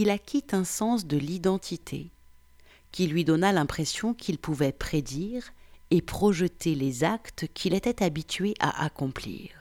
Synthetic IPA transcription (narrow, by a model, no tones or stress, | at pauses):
ilakʲʰit̪ɛ̃sɑ̃sd̪əlid̪ɑ̃t̪ʰit̪ʰḛ | kʲilɥid̪ɔnalɛ̃pχesjɔ̃kʰilpuvɛpχed̪iʁepχɔʒət̪elezakt̪kʲʰilet̪ɛt̪abit̪ɥeʔa̰ʔakɔ̃plḭːʁ